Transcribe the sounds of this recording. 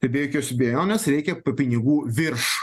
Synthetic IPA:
t̪ʲɛɪbʲeːjokʲoːsʲbʲeːjoːnʲɛsɾʲɛɪkʲɛpɐpʲɪnʲɪɡuːʋʲɪrʃ

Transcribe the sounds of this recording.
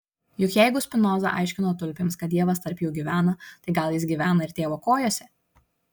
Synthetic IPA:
jʊkjɛɪɡʊsʲpʲɪnɔːzɐ̰ʔɐ̰ɪʃʲkʲɪnoːt̪ʊlʲpʲemskɐt̪̚d̪iɛʋɐst̪ɐɾʲpʲjuːɡʲiːʋʲæːnɐt̪ɐɪɡɐlˠjɪsɡʲiʋʲæːnɐɪɾt̪ʲeːʋoːkoːjoːsʲɛ

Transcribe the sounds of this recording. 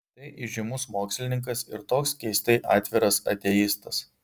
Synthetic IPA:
t̪ɐɪʔɪʒʲɪmʊsmoːksʲlʲɪnʲɪŋk̬ɐsɪɾt̪oːkskʲɛɪsʲt̪ʲɛɪʔɑːt̪ʲʋʲɪɾɐsɐ̰t̪ʲejist̪ɐs

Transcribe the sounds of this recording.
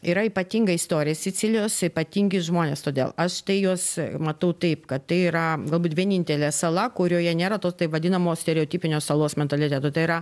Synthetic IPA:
iɾɐipɐt̪ʲiːŋɡɐɪst̪oːɾʲɪjɛsʲɪt͡sʲɪlʲɪjoːsɪpɐt̪ʲiːŋʲɡʲɪsʒmoːnʲeːst̪oːd̪ʲḛːlˠɐʃt̪ɐɪjuɔsmɐt̪ɐʊt̪ɐɪpkɐt̪tɐɪiɾɐɡɐlˠbuːt̪ʋʲiɛnʲɪnʲt̪ʲɛlʲeːsɐlˠɐkʊɾʲoːjɛnʲeːɾɐt̪oːst̪ɐɪʋɐd̪ʲɪnɐmoːsʲt̪ʲɛɾʲɛoːt̪ʲiːpʲɪnʲoːsɐlˠoːsmʲɛnt̪ɐlʲɪt̪ʲæt̪oːt̪ɐɪɪɾɐ

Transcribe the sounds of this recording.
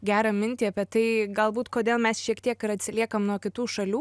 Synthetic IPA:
ɡʲæːɾɐmʲɪnʲt̪ʲiːɐpʲɛt̪ɐɪɡɐlˠbuːt̪koːd̪ʲeːlˠmʲɛsʃʲiɛkt̪ʲiɛkɪɾɐt̪ʲsʲɪlʲiɛkɐmnuɔkʲɪt̪uːʃɐlʲuː

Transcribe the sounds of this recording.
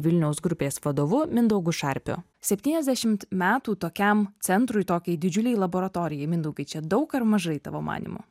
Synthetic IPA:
ʋʲɪlʲnʲɛʊsɡɾʊpʲeːsʋɐd̪oːʋʊmʲɪnd̪ɔʊɡʊʃɐˑɾʲpʲʊ̰ | sʲɛpʲt̪ʲiːnʲɛzʲd̪ʲæʃʲɪmt̪mʲæːt̪uːt̪oːkʲɛmsʲɛnt̪ɾʊɪt̪oːkʲɛɪd̪ʲɪd͡ʒʲʊlʲɛjlˠɐboːɾɐt̪oːɾʲɪjɛɪmʲɪnd̪ɔʊɡʲɐɪt͡ʃʲɛd̪ɒʊkɐɾmɐʒɐɪt̪ɑ̰ːʋo̰ːmʔɑ̰ːnʲḭmʊ̰

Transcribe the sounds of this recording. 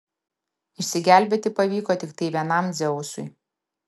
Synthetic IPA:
ɪʃʲsʲɪɡʲæˑlʲbʲet̪ʲɪpɐʋʲiːkoːt̪ʲɪkt̪ɐɪʋʲiɛnɐmd̪zʲɛʊsʊ̰ɪ

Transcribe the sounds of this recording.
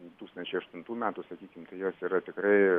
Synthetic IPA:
t̪uːkst̪ɐnʲt͡ʃʲɛɪɐʃt̪ʊnt̪uːmʲæːt̪uːsɐkʲiːkʲɪmt̪ɐɪjoːsiːɾɐt̪ʲɪkɾɐɪ

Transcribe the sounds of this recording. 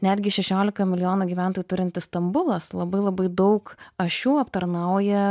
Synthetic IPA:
nʲæd̪ʲɡʲɪʃʲɛʃʲoːlʲɪkɐmʲɪlʲɪjoːnuːɡʲiʋʲæˑnt̪oːjuːt̪ʊɾʲɪnʲt̪ʲɪst̪ɐmbʊlˠɐslˠɐbɐɪlˠɐbɐɪd̪ɐʊkɐʃʲjuːɐpt̪ɐɾnɐʊjɛ

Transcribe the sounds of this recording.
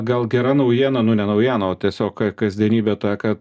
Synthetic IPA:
ɡɐlˠɡʲɛɾɐnɐʊjiɛnɐnʊnʲɛnɐʊjiɛnɐoːt̪ʲiɛsʲoːkkɐzʲd̪ʲiɛnʲiːbʲɛt̪ɑːkɐt̪

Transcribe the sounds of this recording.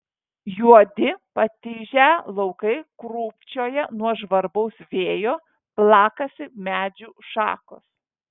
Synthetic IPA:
juɔd̪ʲɪpɐt̪ʲɪːʒʲælˠɔʊkɐɪkɾuːpʲt͡ʃʲoːjɛnuɔʒʋɐɾbɐʊsʋʲeːjoː | plˠɑːkɐsʲɪmʲæːd͡ʒʲuːʃɑ̰ːko̰ːs

